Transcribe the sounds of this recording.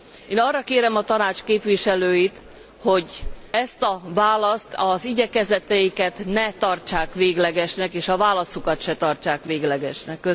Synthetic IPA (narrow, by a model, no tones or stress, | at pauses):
eːnɒrːɒkeːɾɛmɒt̪ɒnaːt͡ʃkeːpʋiʃɛløːjit̪ | ho̞ɟɛst̪ɒvaːlɒst̪ɒziɟɛkɛzɛt̪ɛjikɛt̪nɛt̪ɒrt͡ʃaːkʋeːɡlɛɡɛʃnɛkeːʃɒvaːlɒsukɒt̪ʃɛt̪ɒrt͡ʃaːkʋeːɡlɛɡɛʃnɛkːø